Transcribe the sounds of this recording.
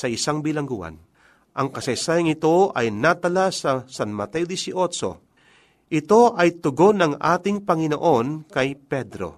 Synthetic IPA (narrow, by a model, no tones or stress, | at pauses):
sɐɪsaŋbɪlɐŋɡuːʔa̰n | ʔɐŋkɐsɐjsaːjɐŋɪt̪o̞ʔɐjnat̪ɐlasɐsanmɐt̪ɛod̪isɪʔot͡ʃo̰ | ʔɪt̪o̞ʔɐjt̪ʊɡo̞nɐŋa̰ːt̪ɪŋpɐŋɪno̰ʔo̞nkɐjpɛd̪ɾo̰